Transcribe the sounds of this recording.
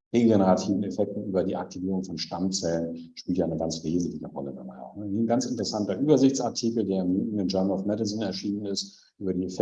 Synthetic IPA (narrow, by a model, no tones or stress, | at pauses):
ʁeːɡenəʁatʰiːvn̩efɛk̚tn̩yːbɐdiːʔa̰k̚tʰiviːʁ̞ʊŋfɔnʃtamt͡sɛlənʃpiːltjaːɪnəɡant͡sv̥eːzn̩tlɪçəʁɔ̰ləda̰ba̰ɪa̰ʊxnəinɡant͡sɪntəʁəsantɐʔyːbɐzɪçt͡saɐtʰikl̩deːɐɪmunɪnd͡ʒɔnlʊfmɛdɪzɪnɛɐʃiːnənɪst | ʔyːbɐdiːefɛ